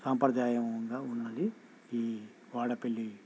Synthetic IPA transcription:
sɐmpɾɐd̪aːjɐmund̪ɐunːɐd̪i | iː | ʋaːɽɐpelːi

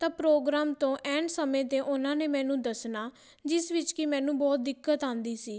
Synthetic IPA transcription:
t̪ãːpɾoːɡɾaːmt̪õːʔɛːɳɖsəmẽːt̪eːʔʊnãːneːmɛ̃ːnũːd̪əsnaː | d͡ʒɪsʋɪt͡ʃkɪmɛ̃ːnũːbɔːt̪̚d̪ɪkːət̪ãːnd̪iːsiː

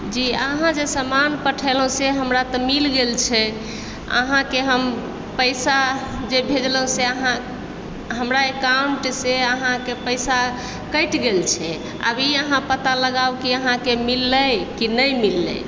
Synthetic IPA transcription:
d͡ʒiəɦãd͡ʒesəmanpəʈʰəlɦũseɦəmɾat̪ɔmilɡelt͡ʃʰɛ | ə̰ɦãkeɦəm | pəɪsa | d͡ʒebʱed͡ʒləɦũseəɦã | ɦəmɾaekauɳʈseəɦãkepəjsa | kəjʈɡelt͡ʃʰɛ | ə̰biəɦãpət̪aləɡawkiəɦãkemilːəjkinəjmilːə̰

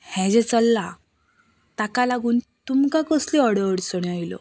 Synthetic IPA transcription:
hɛ̃d͡ʑɛt͡səlːa | t̪akalaɡuːn | t̪umkakəsliɔɽəəɽsəɳ̃ajlɔ̰

